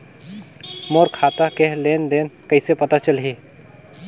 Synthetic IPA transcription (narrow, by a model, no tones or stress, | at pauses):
moːɾkʰaːt̪akeɦleːnd̪eːnkəɪsepət̪at͡ʃəlɦiː